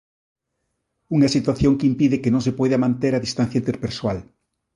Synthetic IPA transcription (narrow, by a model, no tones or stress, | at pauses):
uŋɐsit̪waθjoŋkimpiðɪkenõŋsepɔjðɐmãnt̪eɾaðist̪an̟θjaint̪eɾpeɾsoal